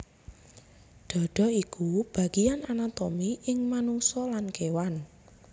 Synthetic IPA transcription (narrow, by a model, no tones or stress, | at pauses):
d̪̥ɔ̤ɖ̥ɔ̤ikub̥a̤ɡ̥iananat̪omiʔɪŋmanuŋsɔlankewan